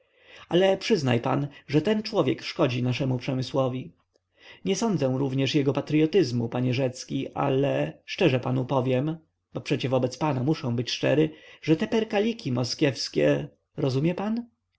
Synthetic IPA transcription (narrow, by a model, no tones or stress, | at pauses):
alɛpʂɘzna̰jpa̰nʐɛt̪ɛnt͡ʂwɔvʲjɛkʂkɔd͡ʑinaʂɛmupʂɛmɘswɔvʲi | ɲɛsɔnd̪zɛ̃ɾuvɲɛʂjɛɡɔpat̪ɾɨjɔt̪ɘzmupaɲɛʐɛt̪skʲiʔa̰lɛʂt͡ʂɛʐɛpanupɔvʲjɛm | bɔpʂɛt͡ɕɛvɔbɛt̪spanamuʂɔ̃w̃bɘt͡ɕʂt͡ʂɛ̰ɾɘʐɛt̪ɛpɛɾkalʲikʲimɔskʲjɛfskʲɛ̰ | ɾɔzumʲjɛpan